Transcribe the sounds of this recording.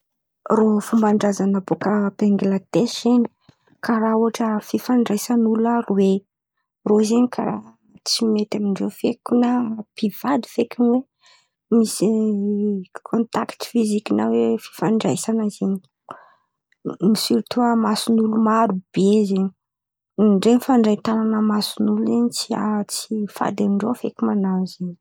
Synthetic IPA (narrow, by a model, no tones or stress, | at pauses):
rofumbaɳɖ͡ʐazanabokabeŋɡilat̪eseɲi̥ | kaɾauɦaʈ͡ʂəfifaɳɖ͡ʐajsanulaɾuwe | rozeɲikʰa̰ɾa | t͡simet̪amiɳzefekʲunapiv̥ad̪i̥fekunwe | misi | kʰont̪akt̪u̥fizikinawefi̥faɳɖ͡ʐajsanazeɲi | misilt̪uamasunulumaɾub̥ezeɲi | ɳɖ͡ʐenfaɳɖ͡ʐat̪ananəmasunuleɲit͡sia̰t͡sifa̰d̪amiɳɖ͡ʐofekʲumanazeɲ